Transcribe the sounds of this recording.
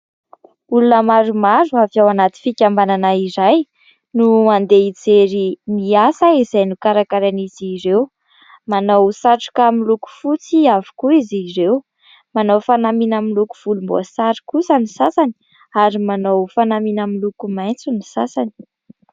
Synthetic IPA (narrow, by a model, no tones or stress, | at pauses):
ulunəmaɾumaɾuaviawanat̪i̥fikʲambananaiɾaj | nuand̪eit͡seɾimiasaizajnukaɾakaɾaniz̥iɾew | manowsaʈ͡ʂu̥kamiluku̥fut͡siavi̥kuiziɾew | manowfanaminamilukuv̥ulumbo̰asaɾi̥kusənisasani̥ | aɾimanowfanaminamilukumajnt͡sunisasani̥